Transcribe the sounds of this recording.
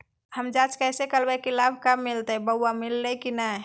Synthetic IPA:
həmd͡ʒat͡ʃkəjsekəlbajkilab̚ʱkamːilt̪ebəwamilːɛkina

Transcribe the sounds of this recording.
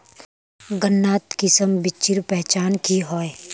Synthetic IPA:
ɡənːaːt̪kɪsəmbɪt͡ʃːiɾpɛɦt͡ʃaːnkiɦoːe

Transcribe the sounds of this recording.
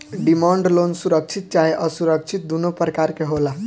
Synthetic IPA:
ɖimãɳɖlonsuɾək̚t͡ʃʰit̪̚t͡ʃaɦiʔəsuɾək̚t͡ʃʰit̪̚d̪unopɾəkaɾkeɦola

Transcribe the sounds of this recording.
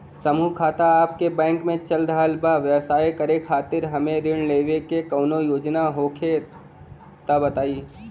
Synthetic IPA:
sɐmukʰaːt̪aaːp̚kebɛ̃ːŋkmẽt͡ʃɐld̪aɦəlbaʋjəsaːjkɐɾekʰaːt̪ɪɾɦɐmẽɾɪɳleːʋekekɐːnojoːd͡ʒnaɦoːkʰe | t̪ɐbɐt̪aːiː

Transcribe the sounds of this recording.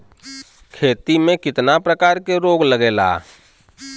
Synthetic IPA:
kʰeːt̪imẽkɪt̪napɾəkaːɾkeɾoːɡləɡeːla̰ː

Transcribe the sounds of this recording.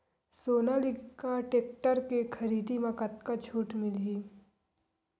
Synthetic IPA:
soːnalɪɡkaʈeːk̚ʈəɾkekʰɐɾiːd̪imãkɐt̪̚kat͡ʃʰuːʈmɪlɦiː

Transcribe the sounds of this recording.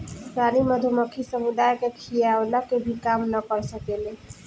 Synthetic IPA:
ɾaniməd̪ʱuməkʰisəmud̪ajkekʰijawlakebʱikamnəkəɾsəkele

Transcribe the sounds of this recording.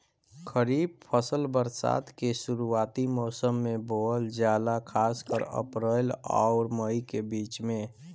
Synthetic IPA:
kʰəɾiːb̚pʰəsəlbəɾsa̰ːt̪ʰkesuɾuaːt̪imɔːsəmːẽbold͡ʒjaːlakʰaːskəɾə̰pɾəla̰ʊɾməikebiːt͡ʃmẽ

